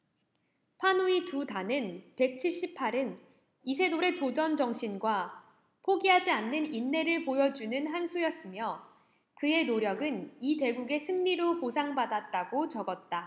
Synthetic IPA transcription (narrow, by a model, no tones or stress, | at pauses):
pʰanuitutanɯnpe̞k̚t͡ɕʰiɭɕ͈ipʰaɾɯn | isʰe̞doɾe̞tod͡ʑʌnd͡ʑʌŋɕʰinɡwa | pʰoɡiɦad͡ʑianːɯninːe̞ɾɯɭpojʌd͡ʑunɯnɦansʰujʌs͈ɯmjʌ | kɯe̞noɾjʌɡɯnite̞ɡuɡe̞sʰɯŋɲiɾoposʰaŋbadat̚t͈aɡot͡ɕʌɡʌt̚t͈a